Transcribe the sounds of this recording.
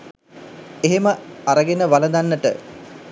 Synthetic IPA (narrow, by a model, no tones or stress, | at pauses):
eɦeməaɾəɡenəʋaləd̪anːəʈə̰